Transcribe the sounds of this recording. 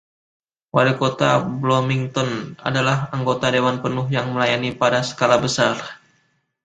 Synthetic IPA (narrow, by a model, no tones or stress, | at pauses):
waɾikot̪ablomiŋt̪ɔna̰dalahaŋɡot̪adewanpənʊɦjaŋməlajanipadasə̥kalabəsar